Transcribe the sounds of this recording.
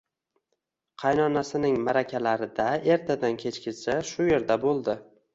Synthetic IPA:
qʰɑjnɒnasɪnɪŋmaɾakʲʰalaɾɪd̪ae̞ɾt̪ʰad̪ankʲʰe̞t͡ʃkʲɪsaʃʊje̞ɾd̪abolˠd̪ɪ

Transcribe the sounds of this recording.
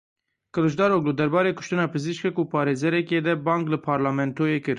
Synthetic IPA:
kɨlɨʒd̪ɑːɾoːk̚lɨd̪ɛɾbɑːɾeːkʊ̥ʃt̪ɨnɑːpɨziʃkɛkupʰɑːɾeːzɛɾɛked̪ɛbɑːŋklɨpʰɑːɾlɑːmɛnt̪oːjeːkɨɾ

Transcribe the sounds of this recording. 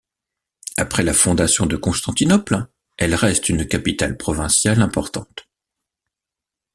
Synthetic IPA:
apχɛlafɔ̃d̪asjɔ̃d̪əkɔ̃st̪ɑ̃t̪inɔpl | ɛlʁɛst̪ynkapit̪alpχɔvɛ̃sjalɛ̃pɔʁt̪ɑ̰̃t̪

